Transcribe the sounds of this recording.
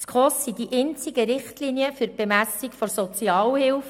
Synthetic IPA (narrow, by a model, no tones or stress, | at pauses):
t͡skʰʁosːid̥iʔent͡siɡəɾɪχtliniəfyɾb̥emæsikfɔɾsɔt͡siɑːlhɪlf